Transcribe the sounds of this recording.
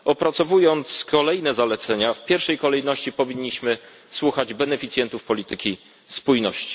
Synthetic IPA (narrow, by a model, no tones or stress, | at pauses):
ɔpɾat̪sɔvujɔnt̪skʰɔlɛjnɛzalɛt̪sɛɲafpʲjɛɾfʂɛjkɔlɛjnɔɕt͡ɕipɔvʲiɲːiɕmɘ | swuxad͡ʑbɛnɛfʲit̪sʲjɛnt̪ufpɔlʲit̪ɘkʲi | spujnɔɕt͡ɕi̥